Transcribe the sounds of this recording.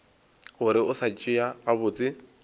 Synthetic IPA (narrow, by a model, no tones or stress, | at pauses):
ɣʊɾɪʊsat͡ʃʼɪaɣabʊːt͡sʼɪ